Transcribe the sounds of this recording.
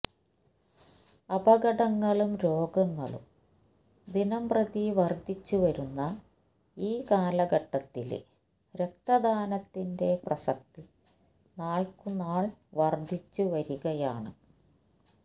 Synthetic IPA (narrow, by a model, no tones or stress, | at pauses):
ɐbɐɣɐɽɐŋːɐɭumɾo̞ːɡɐŋːɐɭṵm | d̪inɐmprɐd̪iʋɐrd̪ʱit͡ɕːuʋɐɾunːɐ | iːkaːlɐɡɐʈːɐt̪ːḭl̰ | ɾe̞k̚t̪ɐd̪ʱaːnɐt̪ːinde̞prɐsɐk̚t̪i | naːɭkunaːɭʋɐrd̪ʱit͡ɕːuʋɐɾuɣɐjaːɳɨ̰